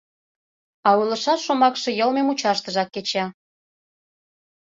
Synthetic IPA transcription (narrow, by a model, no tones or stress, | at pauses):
ɑulə̆ʃɑʃomɑkʃĕjəlmemut͡ɕɑʃt̪əʒɑkːet͡ɕɑ